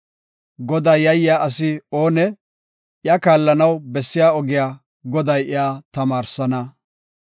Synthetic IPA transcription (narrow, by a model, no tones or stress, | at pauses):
ɡɔd̪ɐjjːɐjːaːʔɐsɪoːnɛ | ʔjɐkaːlːɐnɐwbɛsːɪjaːɔɡɪjaː | ɡɔd̪ɐjɪjaːt̪ɐmaːɾsɐnɐ